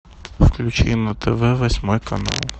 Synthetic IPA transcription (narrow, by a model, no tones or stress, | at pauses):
fklʲut͡ʃɪ̰jnɐt̪ʰɛʋɛʋɐsʲmɔjkɐnɑ̰lˠ